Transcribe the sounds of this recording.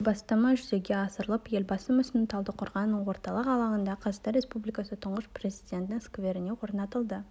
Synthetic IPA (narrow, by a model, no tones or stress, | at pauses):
bɑst̪ɑmɑʒʏze̞ɡʲe̞ɑsəɾəlˠəpje̞lbɑsəmʏsɪnɪt̪ʰɑlˠd̪əqʰʊɾʁɑnːəɴwo̞ɾt̪ɑlˠəqɑlˠɑʁənd̪ɑqʰɑzt̪ɑɾe̞spublijkɑsət̪ʰʊɴʁəspre̞zijd̪ʲe̞nt̪ɪŋskvʲeɾɪne̞wo̞ɾnɑt̪əlˠd̪ə